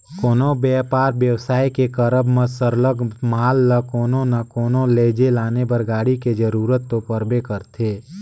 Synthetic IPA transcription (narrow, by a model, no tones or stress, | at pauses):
koːnobɛːpaːɾbjəwsaːikekəɾəbməsəɾləɡmaːlːəkoːnonəkoːnoleːd͡ʒelaːnebəɾɡaːɽiked͡ʒəɾuːɾət̪ːopəɾbekəɾt̪ʰeː